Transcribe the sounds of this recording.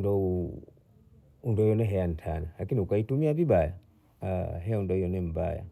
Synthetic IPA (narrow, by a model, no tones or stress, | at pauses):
ndɔu | undɔjɔnɛɦɛjan̩tʰanalakiniukaitumiavibaja | ɦɛaundɔjɔnɛm̩ba̰ja̰